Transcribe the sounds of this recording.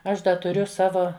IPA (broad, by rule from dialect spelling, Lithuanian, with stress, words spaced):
ˈɐʃ ˈdɐ tʊˈrʲʊ ˈsɑːʋoː